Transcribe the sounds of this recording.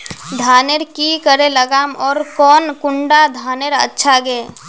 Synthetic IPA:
d̪ʱaːneɾkikəɾeləɡaːmɔːɾkɔːnkʊɳɖad̪ʱaːneɾə̰tːʃʰaɡeː

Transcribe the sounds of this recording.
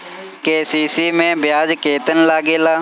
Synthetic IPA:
keːsiːsiːmẽbjaːd͡ʒkeːt̪ənlaːɡeːlaː

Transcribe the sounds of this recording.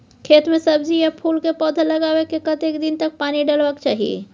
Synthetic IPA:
kʰeːt̪mẽsɐbzijapʰuːlkepɔːd̪ʱəlɐɡaːwekekɐt̪eːkd̪ɪnt̪ɐk̚paːniɖɐlʋəkt͡ʃaːɦiḛː

